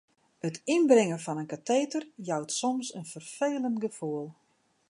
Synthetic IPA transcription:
ətinbrɪŋəfɔnənkatʰeːtərjawtsɔmsənfərfeːləntɡəfuəlˠ

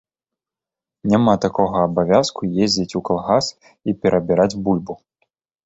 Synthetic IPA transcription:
nʲamat̪akɔɣɐːbavʲaskujezʲd͡zʲit͡sʲukalˠɣas | ipʲɛɾɐbʲiɾad͡zʲbulʲbu

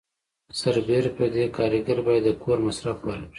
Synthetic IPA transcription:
saɾbeɾpəd̪ekɑːɾiɡaɾbɑjad̪ːəkʰoɾmasɾafwaɾi

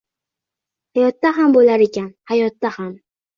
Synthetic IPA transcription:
hajɒt̪ːaɦambolaɾekʲanhajɒt̪ːaham

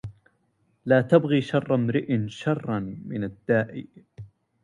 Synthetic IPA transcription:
laːt̪abɣiːʃɑrˤːɑmɾɪʔɪnʃɑrˤːɑnmɪnad̪ːaːʔɪ̰

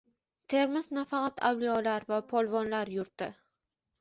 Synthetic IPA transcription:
t̪ʰe̞ɾmɪznafɑqʰɑt̪ʰawliɒlaɾvapʰɒlˠvɒnlaɾjʊɾt̪ɪ

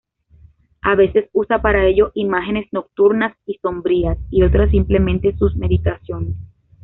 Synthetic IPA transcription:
aβe̞se̞susapaɾae̞ʝo̞ʔimaxe̞ne̞sno̞k̚t̪uɾnasiso̞mbɾiasio̞t̪ɾasːimple̞mẽ̞nt̪e̞susme̞ðit̪asjo̞nes

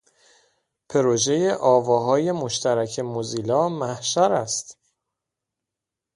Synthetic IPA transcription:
pʰe̞ɾoʒe̞jeʔɒːvɒːɦɒːje̞mo̞ʃt̪ʰæɾæcʰemoziːlɒːmæhʃæɾæst̪

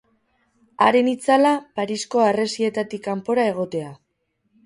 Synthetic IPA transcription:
aɾe̞nit͡salapaɾisko̞are̞sie̞t̪at̪ikampo̞ɾae̞ɣ̞o̞t̪e̞a

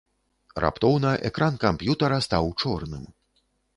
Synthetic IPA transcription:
rʔa̰pt̪ɔwnɐʔɛkɾʔankampjut̪ɐɾɐst̪awt͡ʂɔrnɨ̰m

